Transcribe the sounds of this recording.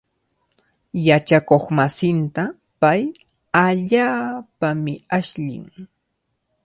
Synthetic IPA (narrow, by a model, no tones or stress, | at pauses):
jat͡ʃakoχmasɪnt̪a | paj | aʎaːpamɪaʃʎɪ̰ŋ